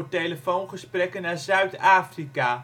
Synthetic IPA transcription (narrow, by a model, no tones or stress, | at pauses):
tejləfownχəsprɛkənːaːɹzœɥtaːfrikaː